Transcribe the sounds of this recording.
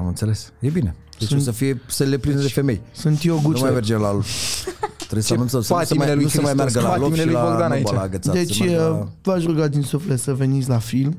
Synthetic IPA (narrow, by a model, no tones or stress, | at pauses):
amɨnt̪se̞le̞sjebineessəfije̞selleplind̪efeme̞jsunt̪ioɡunuumajmerd͡ʒelalo | t̪ɾeijssanunsəsasəmaeunuəmajmerɡəlaaloelujaolɡanaibalaɡət̪sad̪et͡ʃevaʃruɡad̪insufesəve̞nit̪sʲlafilm